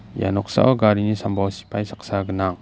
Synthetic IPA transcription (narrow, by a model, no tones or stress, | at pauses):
ja̰nɔk̚sa̰ʔɔɡaɾinisambɔsi̥pʰajsḁk̚saɡənaŋ